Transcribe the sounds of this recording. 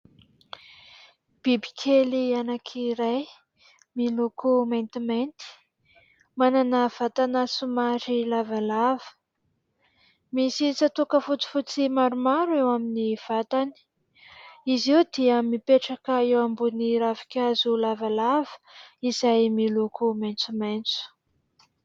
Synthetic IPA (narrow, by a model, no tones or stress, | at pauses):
b̥ibi̥kʲʰelianakʰiɾaj | milukumajnt̪imajnt̪i̥ | mananəv̥at̪anasumaɾilavalavə̥ | misit͡sat̪ukəfut͡si̥fut͡simaɾumaɾuewaminiv̥at̪ani̥ | iziwd̪iəmipeʈ͡ʂakəewambuniɾavi̥kʲazulavalavə̥izajmilukumajnt͡sument͡su̥